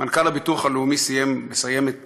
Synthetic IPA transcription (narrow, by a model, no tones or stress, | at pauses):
mankalabituχaleumisijembesaje̞met̪